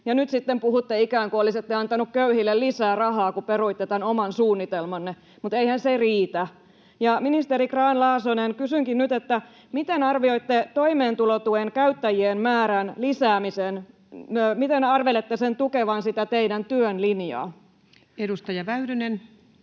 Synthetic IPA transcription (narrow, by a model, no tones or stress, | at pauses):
jɑnyt̪sit̪ːempuhut̪ːeikæːŋkuoliset̪ːeɑnt̪ɑnukkøyhilːellisæːrɑɦɑːkuperuit̪ːet̪ænomɑnsuːnːit̪elmɑnːe | mut̪eihænseriːt̪æ | jɑminist̪eɾikrɑːnlɑːsonenkysyŋkinnyt̪et̪ːæ | mit̪enɑrʋioit̪ːet̪oimeːnt̪ulot̪ueŋkæyt̪ːæjienmæːɾænlisæːmisen | mit̪enɑrʋelet̪ːesent̪ukeʋɑnsit̪æt̪eidænt̪yønlinjɑ̰ː | edust̪ɑjɑʋæydynen